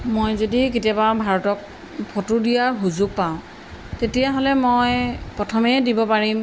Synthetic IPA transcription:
mojzodiketijababʱaɹɔtɔk̚ | pʰotudijaɹɦuzʊk̚paʊ̃ | tetijaɦolɛmojpɹɔtʰɔmɛdibɔpaɹim

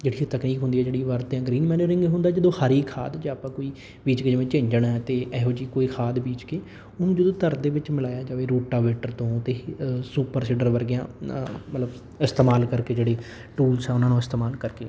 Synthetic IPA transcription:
d͡ʒeːɽit̪əkniːkɦʊnd̪iːɛːd͡ʒeːɽiːʋəɾt̪jãːɡɾiːnmɛːneɾɪ̃ŋɡɦʊnd̪aːd͡ʒɪd̪õːhaɾiːkʰaːd̪d͡ʒaaːpãːkoːiː | biːt͡ʃkeːd͡ʒɪʋẽːt͡ʃɪ̃ːɲd͡ʒəɳɦɛːt̪eːʔɛːɦoːd͡ʒiːkoːiːkʰaːd̪biːt͡ʃkeː | ʊnũːd͡ʒɪd̪õːt̪əɾd̪eːʋɪt͡ʃmɪlaːjaːd͡ʒaːʋeːɾuːʈaːʋeːʈəɾt̪õːt̪eːsuːpəɾsɪɖəɾʋəɾɡɪjã̰ːmət̪ləb | ɪst̪eːmaːlkəɾkeːd͡ʒeːɽeː | ʈuːlsɛːʊnãːnũːɪst̪eːmaːlkəɾkeː

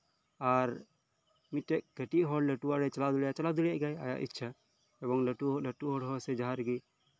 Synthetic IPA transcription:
aɾ | miʈɛʔ̚ɡ̥əʈiʔɦɔɽlɛʈuwaɾɛt͡ʃalad̪uljat͡ʃalad̪ulɛjaʔɡaja̰ja̰ʔḭtːt͡ʃʰa | ɛbɔŋlɛʈuɦɔləʈuʔɦɔɽɦɔɾsɛd͡ʒaɦaɾɡɛ

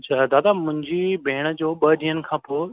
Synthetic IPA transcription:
t͡ɕʰaːd̪aːd̪amʊ̃ɦɪ̃ɲd͡ʑibʱeːɪɽ̃ə̆d͡ʑoːɓɐɗiːənɪ̆kʰãːpoː

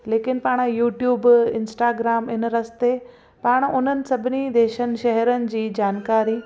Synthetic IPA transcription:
leːkɪnpaːɽ̃juːʈjuːbɪ̃nsʈaːɡɾaːmɪnɾɐst̪e | paːɽ̃ʊn̤ənɪ̆sɐbʱɪnid̪eːʃənɪ̆ʃɛɦɛɾənɪ̆d͡ʑiːd͡ʑaːnkaːɾi

